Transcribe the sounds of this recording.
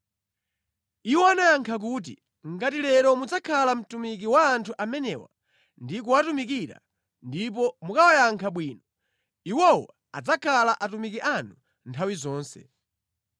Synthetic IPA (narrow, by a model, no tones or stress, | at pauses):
iwɔanajaŋkʰak̬uːt̬ḭ | ŋɡat̬ilɛɾɔmud͡zakʰalam̩tumik̬iwaːntʰuʔamɛnɛwa̰ | ndikuwatumik̬iɾa̰ | ndip̬ɔmukawajaŋkʰaɓwiːnɔ | iwɔwɔ | a̰d͡zakʰalaʔatumikiʔanu | ntʰawizɔːnsɛ̰